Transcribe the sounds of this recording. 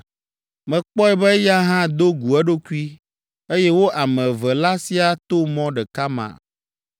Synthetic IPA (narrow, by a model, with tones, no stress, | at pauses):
mɛ̃˨k͡pɔ˦ɛ˨bɛ˦ja˦ɦã˦d̪o˦ɡu˨ɛ˦ɖo˦ku˦i˦ | e˦jɛ˦wo˦ʔa˨mɛ̃˨vɛ˨la˦si˦a˨t̪o˦mɔ̃˦ɖɛ˨ka˦mã̰˨